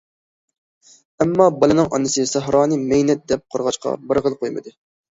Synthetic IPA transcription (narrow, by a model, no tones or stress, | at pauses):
ɛmːɑbɑlˠɨnɨŋʔɑ̰nɨsɨsæɦɾɑːnɨmɛjnɛt̪̚d̪ɛp̚qʰoɾʁɑt͡ʃqʰɑ̰bəɾʁəlˠqʰojmɨ̰d̪ɨ